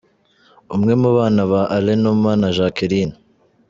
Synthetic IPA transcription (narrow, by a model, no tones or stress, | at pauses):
umŋe̞muβaːnaβaʔalenummaːnaʒakiɾiːna